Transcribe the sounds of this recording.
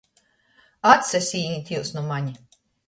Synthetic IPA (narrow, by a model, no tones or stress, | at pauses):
at̪sʲɛsʲiːnʲit̪ʲiwsnumaɲi